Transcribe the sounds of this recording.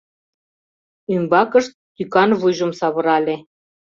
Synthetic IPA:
ymbɑkə̆ʃt̪ːykɑnβujʒə̆msɑβɤ̆ɾɑlʲe

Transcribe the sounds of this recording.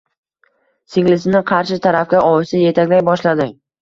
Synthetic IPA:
sɪŋlɪsɪnɪqʰɑɾʃɪt̪ʰaɾafkʲaʔɒwɪsɪje̞t̪ʰakʲlajbɒʃlad̪ɪŋ

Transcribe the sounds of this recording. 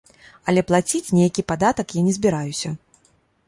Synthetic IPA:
ɐlʲɛplˠat͡sʲit͡sʲnʲejakʲipad̪at̪ɐkjanʲɛzʲbʲiɾajusʲɐ

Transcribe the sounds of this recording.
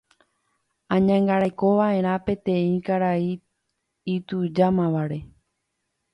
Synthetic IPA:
ãɲãŋɡaɾajko̞ʋaʔẽ̞ɾ̃ãpẽ̞t̪ẽ̞ĩkaɾai | it̪ud͡ʒamãʋaɾe̞

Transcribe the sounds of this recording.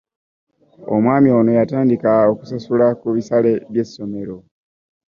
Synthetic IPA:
o̰mwaːmio̞ːno̞jataːndikaoku̥sasulakuβisale̞βje̞sːo̞me̞ɾo̞

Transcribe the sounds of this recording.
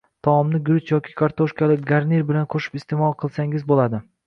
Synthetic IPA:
t̪ʰɒɒmnɪɡɾʊt͡ʃjɒkʲʰɪ̥kʰaɾt̪ʰoʃkʲalɪkʲɡaɾniɾbɪlanqʰoʃɪ̥pɪst̪emɒlˠqʰɨlˠsaŋɪzbolad̪ɪ

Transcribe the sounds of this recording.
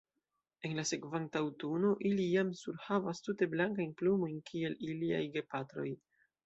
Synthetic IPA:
e̞nlase̞kvantawtuno̞ʔilijamsuɾhavastute̞blaŋkajnplumo̞jnkʰie̞lilia̰jɡe̞patɾo̞̰j

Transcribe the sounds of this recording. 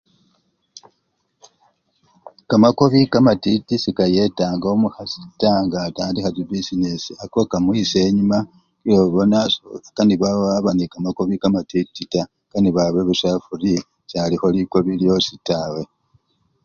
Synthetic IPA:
kamakoβikamatitisikaje̞taːŋɡomuhasi̥taːŋɡataːndixatibisinesiakokamwise̞ːɲuma | kiloβo̞nakaniβawaβanikamakoβikamatitːita | kaniβaβe̞βusafuli | t͡ʃaːlixo̞liko̞βiljo̞sitaːwe̞

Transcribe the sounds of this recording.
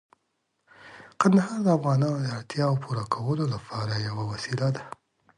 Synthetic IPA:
qand̪aɦɑɾd̪əafɣɑnɑnod̪əaɽt̪jɑwpʰuɾakʰawəlolapʰɑɾajawawasilad̪a

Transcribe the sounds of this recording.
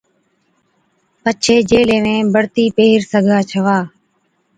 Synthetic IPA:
pət͡ʃʰeːd͡ʒeːleːmẽːbəɽt̪iːpeːɦɪɾsəɡʱaːt͡ʃʰəʋaː

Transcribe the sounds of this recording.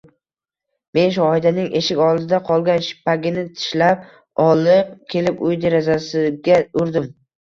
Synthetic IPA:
me̞nʃ̬ʊɒɪd̪anɪŋe̞ʃɪkʲɒld̪ɪd̪aqʰɒlˠɡʲanʃɪ̥paɡʲɪnɪt̪ʰɪ̥ʃlap̚ | ɒlˠɪqkʲʰe̞lɪpʊjd̪eɾazasɪɡʲaʊɾd̪ɪm

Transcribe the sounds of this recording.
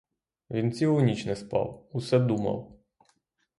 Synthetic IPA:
ʋʲint͡sʲiɦʊnʲit͡ʃnɛspɑ̰wusɛd̪umɐ̰w

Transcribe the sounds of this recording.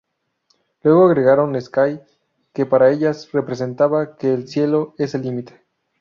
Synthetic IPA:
lwe̞ɣo̞aɣɾe̞ɣaɾo̞neskaj | ke̞paɾae̞ʝasre̞pɾe̞s̬e̞nt̪aβake̞ːlsje̞lo̞e̞selimit̪e̥

